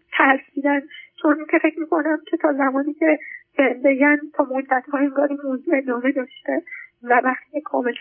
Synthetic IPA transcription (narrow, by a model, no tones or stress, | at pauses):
t̪ʰæɾsid̪ænt͡ʃʰo̞nʔincʰefe̞cmiːko̞næmcʲʰe̞t̪ʰɒːzæmɒːniːcʲʰe̞zenbe̞ɡʲænt̪ʰɒːmod̪ːæt̪hɒːe̞ŋɡɒːɾimoːzuenɒːme̞d̪ɒːʃt̪evævæχt̪icʰekʰɒ̰ːme̞l